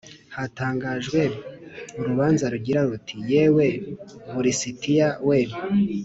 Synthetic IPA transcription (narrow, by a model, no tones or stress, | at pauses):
hataːŋɡaːʒɡwe̞uɾuβaːnzaɾuɟiɾaɾutʰijewe̞βuɾisitijaweβo